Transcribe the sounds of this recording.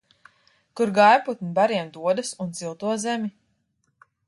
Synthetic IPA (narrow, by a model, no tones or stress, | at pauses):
kuɾɡajput̪nibaɾiɛmd̪uɔd̪asund̪zilˠt̪uɔzɛmʲi